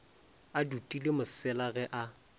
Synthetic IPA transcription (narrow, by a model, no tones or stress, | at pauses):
adutʼilɪmʊsɪlaɣɛʔa